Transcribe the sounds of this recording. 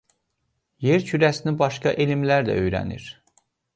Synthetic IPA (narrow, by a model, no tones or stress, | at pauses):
je̞ɾt͡ʃʰyɾæsinibɑʃkɑʔelimlæɾd̪æ̰ø̞jɾæ̰nḭɾ̥